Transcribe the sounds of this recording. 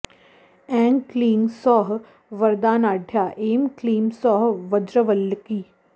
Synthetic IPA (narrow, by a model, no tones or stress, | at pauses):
ɛ̃ːŋɡkliːŋɡsɔːɦ | ʋɐɾd̪aːnaːɖʱjaːʔeːmkliːmsɔːɦʋɐd͡ʒɾəʋəlːkiː